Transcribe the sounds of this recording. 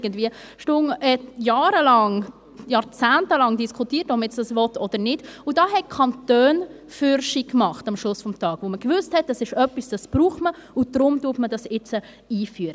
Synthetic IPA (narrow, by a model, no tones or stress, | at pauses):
ɡəndviəʃtʊŋɛjɑːɾəlɑŋ | jɑːɾt͡sæːntəlɑŋdiskʰutiːtɔpmjɛt͡sd̥ɑsvɔtʰɔd̥əɾnɪd̥udɑːɦɛkʰɑntøːn | fyɾʃikmɑχtɑmʃlʊsfɔmtʰɑːɡ̥ʋoməkvʏsthɛt̚dɑsɪʃœpːisd̥ɑsb̥ruːχməʊd̥ɾʊmtuːətmədɑsɪt͡sə | iːfyːəɾə